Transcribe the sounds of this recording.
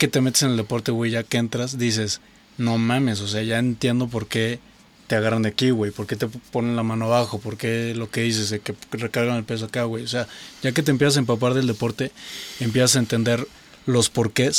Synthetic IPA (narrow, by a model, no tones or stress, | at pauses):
ket̪emet̪i̥seneld̪epoɾt̪eweʝakeent̪ɾasd̪is̬es | nomames̬os̬eaʝaent̪jend̪op̬oɾke | t̪eaɣaɾand̪ekiwejpoɾket̪eponenlamanoaβaxopoɾkelokeðis̬esekerekaɾɣanelpes̬okeawejos̬eaʝak̬et̪̬empjesas̬empap̬aɾðeld̪epoɾt̪eempjesas̬aent̪end̪eɾ | lospoɾkes